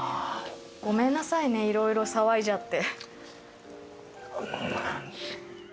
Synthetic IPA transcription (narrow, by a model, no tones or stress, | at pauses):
ɡ̥o̞mẽ̞nːasaine̞iɾo̞iɾo̞saβaid͡ʑat̪ːe̞